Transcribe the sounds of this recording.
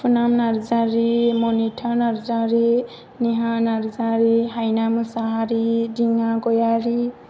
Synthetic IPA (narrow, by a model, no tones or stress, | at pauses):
funamnaɾd͡ʒaɾimoniʈʰanʌɾd͡ʒaɾi | niɦanaɾd͡ʒaɾiɦajnamusaɦaɾidiŋɡaɡojaɾi